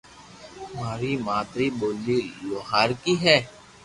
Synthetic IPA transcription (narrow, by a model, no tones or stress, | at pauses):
maːɾimaːt̪ɾiboːlːiːloːɦaːɾkiɦɛː